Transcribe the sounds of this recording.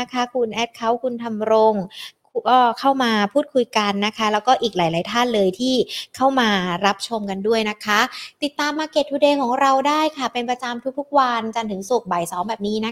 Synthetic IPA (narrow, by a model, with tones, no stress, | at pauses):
a˥kʰa˦˥kʰu˧nʔɛː˦˥t̪̚kʰa˦˥wkʰu˧nt̪ʰa˧mɾo˧ŋkʰkɔː˥˩kʰa˥˩wmaː˧pʰuː˥˩t̪̚kʰu˧jka˧nːa˦˥kʰa˦˥lɛː˦˥wkɔː˥˩ʔiː˨˩k̚laː˩˦jlaː˩˦jt̪ʰaː˥˩nlɤː˧jt̪ʰiː˥˩kʰa˥˩wmaː˧ɾa˦˥p̚t͡ɕʰo˧mka˧ndu˥˩əjna˦˥kʰa˦˥t̪i˨˩t̪ːaː˧mːaː˧ke˨˩t̪ʰːu˧deː˧kʰɔː˩˦ŋɾa˧wdaː˥˩jkʰa˥˩pe˧npɾa˧t͡ɕa˧mt̪ʰu˦˥k̚t̪ʰu˦˥k̚wa˧nt͡ɕa˧nt̪ʰɯ˩˦ŋsu˨˩k̚ba˨˩jsɔː˩˦mbɛː˨˩p̚niː˦˥na˦˥